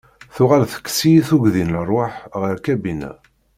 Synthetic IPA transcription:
θʊʁalθə̥kːsiθuɡðinlərˤːoħʁəɾkæbinæ̰

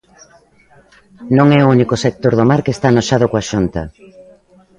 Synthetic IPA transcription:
nõŋɛounikosek̚t̪oɾðomaɾkest̪anoʃað̞okoaʃunt̪ɐ̰

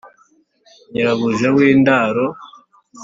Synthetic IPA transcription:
ɲiɾaβuʒewiːndaːɾo

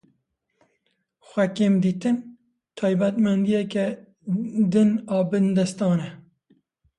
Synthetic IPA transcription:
xʷɛkeːmd̪iːt̪ɨn | t̪ʰɑːjbæt̪mɛnd̪ijɛkɛ | d̪ɨnɑːbɨnd̪ɛst̪ɑːnɛ

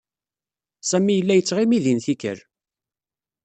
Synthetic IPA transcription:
sæmijəlːæjət͡sːʁimiðinθikə̰ɾ

